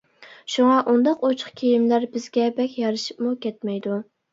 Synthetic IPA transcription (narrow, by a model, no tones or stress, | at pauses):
ʃuŋɑʔund̪ɑqot͡ʃʰχkʲʰejimlæɾbɪzɡʲɛbɛkʲjɑɾɨʃi̥pmukʲʰɛt̪mɛjd̪u